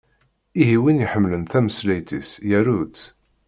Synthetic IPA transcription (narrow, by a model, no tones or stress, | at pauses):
iɦiwinjiħəmːlənθæməslæjt̪isjæɾut̪